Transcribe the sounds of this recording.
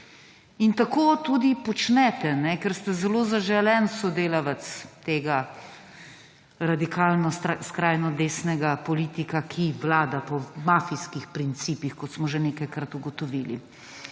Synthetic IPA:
int̪akoːt̪ud̪ipɔt͡ʃnɛt̪ɛnɛkɛɾst̪ɛzɛloːzaʒɛlɛnsɔd̪eːlaʋat̪st̪eːɡa | ɾad̪ikaːlnɔskɾaːjnɔd̪eːsnɛɡapɔliːt̪ikakʰiʋlaːd̪apɔmafiskixpɾint̪siːpixkɔt̪smɔʒɛneːkajkɾat̪uɡɔt̪ɔʋilḭ

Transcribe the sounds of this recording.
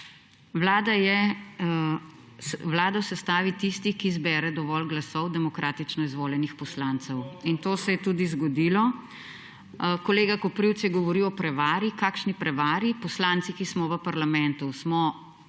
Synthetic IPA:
wlaːd̪ajɛ | wlaːd̪ɔsɛst̪aːʋit̪ist̪ikizbɛɾɛd̪ɔʋɔlɡlasɔwd̪ɛmɔkɾaːt̪it͡ʃnɔizʋoːljɛnixpɔslant̪sɛwint̪oːsɛjɛt̪ud̪izɡɔd̪iːlɔ | kɔleːɡakɔpɾiwt̪sjɛɡɔʋɔɾiwɔpɾɛʋaːɾikaːkʃnipɾɛʋaːɾipɔslaːnt̪sikismɔʋəpaɾlamɛnt̪usmɔ

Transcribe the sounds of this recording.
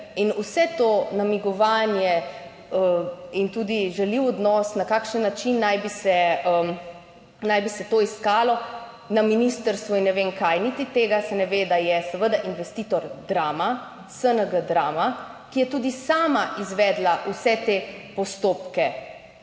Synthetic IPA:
inusɛt̪onamiɡɔʋaːnjɛ | əint̪uːd̪iʒɛliwɔd̪nɔsnakakʃənːat͡ʃinːajbisɛə | najbisɛt̪oiskaːlɔ | naminist̪əɾst̪ʋuinːɛʋeŋkajnit̪it̪eːɡasɛnɛʋed̪ajɛsɛʋəd̪aʔinʋɛst̪iːt̪ɔɾd̪ɾaːma | sənəɡəd̪ɾaːma | kijɛt̪uːd̪isaːmaʔizʋɛd̪laʔusɛt̪epɔst̪oːpkɛ

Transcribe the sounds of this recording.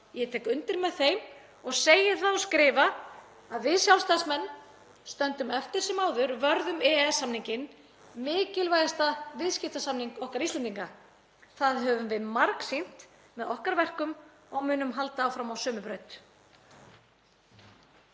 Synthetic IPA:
jɛt̪ʰɛːkʏnt̪ɪɾmɛðθejm | ɔɣseːjɪ̥θaðɔskɾɪːva | aðvɪðsjawlst̪asmɛnː | st̪œnt̪ʏmɛft̪ɪɾ̥sɪmaːwðʏɾvœɾðʏmɛɛsːamniɲcɪn | mɪːcɪlvaːjðast̪avɪðscɪft̪asamniŋkɔhkaɾist̪lɛnt̪iŋka | θaðɦœːvʏmvɪðmaɾksin̥t̪ | mɛðɔhkaɾvɛr̥kʏmɔɣmʏːnʏmɦal̪t̪aːwfɾamawsœːmʏpɾœːɥt̪

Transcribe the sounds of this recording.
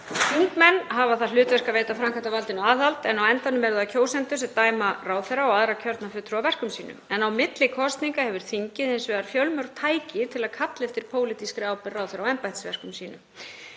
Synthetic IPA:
θiŋkmɛnːɦavaθalʏːt̪vɛr̥kaveːjt̪afɾamkʰant̪avalt̪ɪnʏaːðalt̪ɛnawɛnt̪anːʏmɛɾðacʰoːwsɛnt̪ʏ̥sɛt̪aːjmaraːwθɛɾaɔaðɾacʰœɾt̪nafʏːt̪ːɾʏawvɛr̥kʏmsiːnʏ̰mɛnawmɪt̪lɪkʰɔst̪niŋkahɛvʏɾ̥θiɲcɪðɪnsvɛːɣaɾfjœlmœwɾt̪ʰaːjcɪt̪ʰɪlaðkʰat̪lɛft̪ɪɾ̥pʰoːwlɪt̪iskɾaːwpɪraːwθɛɾaɔɛmpajht̪svɛ̰r̥kʏmsiːnʏ̰m

